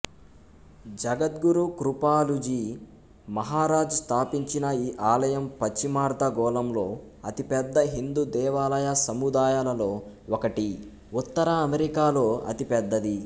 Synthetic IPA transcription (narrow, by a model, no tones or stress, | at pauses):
d͡ʒɐɡɐt̪̚ɡuɾukɾupaːlud͡ʒiː | mɐɦaːɾaːd͡ʒɐst̪ʰaːpiɲt͡ʃinɐiːʔaːlɐjɐmpɐt͡ʃːimaːɾd̪ɐɡɔːlɐmlo̞ː | ɐt̪ipɛd̪ːɐɦind̪ud̪ɛːʋaːlɐjasɐmud̪aːjaːlɐlo̞ː | okɐʈi | ut̪ːɐɾɐːmeɾikaːlo̞ːɐ̰t̪ipɛd̪ːɐd̪i